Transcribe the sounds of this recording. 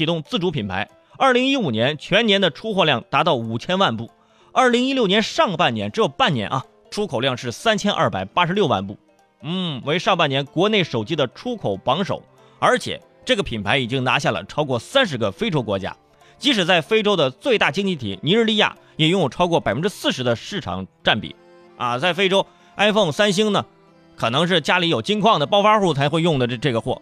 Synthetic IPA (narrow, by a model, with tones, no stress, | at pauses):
i˧˥t̪ʊ˥˧ŋt͡sɹ̩˥˩ʈ͡ʂu˧˥pʰi˨˩npʰa˧˥ɪ | ɐ˞˥˩li˧˥ŋi˥u˨˩njɛ˧˥nt͡ɕʰɥɛ˧˥njɛ˧˥nd̪ə˨ʈ͡ʂʰu˥xwɔ˥˧ljɑ˥˩ŋt̪a˧˥t̪ɑ˥˩ʊu˨˩t͡ɕʰjɛ˥nwa˥˧npu˥˩ | ɐ˞˥˩li˧˥ŋi˥ljʊnjɛ˧˥nʂɑ˥˧ŋəpa˥˩njɛ˧˥nʈ͡ʂɻ̩˧˥jo˨˩ʊpa˥˩nnjɛ̰˧˥nʔɐ̰˧ | ʈ͡ʂʰu˥kʰo˨˩ʊljɑ˥˧ŋʂɻ̩˥˩sa˥nt͡ɕʰjɛ˥nʔa̰ɐ̰˥˩pa̰˨˩ɪpa˥ʂɻ̩˧˥ljo˥˧ʊwa̰˥˧npu˥˩ | n̩˥˩we˧˥ɪʂɑ˥˧ŋpa˥˩njɛ˧˥nkwɔ˧˥ne˥˩ɪʂo˨˩ʊt͡ɕi˥d̪ə˨ʈ͡ʂʰu˥kʰo˨˩ʊpɑ˧˥ŋʂo̰˨˩˦ʊ | ə˞˧˥t͡ɕʰjɛ̰˨˩˦ | ʈ͡ʂɤ˥˩ɡə˩pʰi˨˩npʰa˧˥ɪi˨˩t͡ɕi˥ŋna˧˥ɕja˥˩lə̰˩ʈ͡ʂʰɑ˥ʊkwɔ˥˩sa˥nʂ̬ɻ̩˧˥ɡə˧fe˥ɪʈ͡ʂo˥ʊkwɔ˧˥t͡ɕja̰˥ | t͡ɕi˧˥ʂɻ̩˨˩t͡sa˥˩ɪfe˥ɪʈ͡ʂo˥ʊd̪ə˨t͡swe˥˧ɪt̪a˥˩t͡ɕi˥ŋt͡ɕi˥˩t̪ʰḭ˨˩ni˧˥ɻ̩˥˧li˥˧ja̰˥˩ | jɛ˨˩jʊ˥˩ŋjʈ͡ʂʰɑ˥ʊkwɔ˥˩pa˨˩ɪfə˥nʈ͡ʂɻ̩˥sɹ̩˥˩ʂɻ̩˧˥d̪ə˧ʂɻ̩˥˩ʈ͡ʂʰɑ̰˨˩ŋʈ͡ʂa˥˩npḭ˨˩˦ | ɐ̰˧t͡sa˥˩ɪfe˥ɪʈ͡ʂo˥ʊ | a˥ɪfɤ˥˩ŋsa˥nɕi˥ŋnə˨ | kʰɤ˨˩nɤ˧˥ŋʂ̬ɻ̩˥˩t͡ɕja˥li˧˥jo˨˩ʊt͡ɕi˥nkʰwɑ˥˩ŋd̪ə˩pɑ˥ʊfa˥ʂu˥˩t͡sʰa˧˥ɪxwe˥˧ɪjʊ˥˩ŋd̪ə˩˧ʈ͡ʂɤ˥˩ɡə˩xwɔ̰˥˩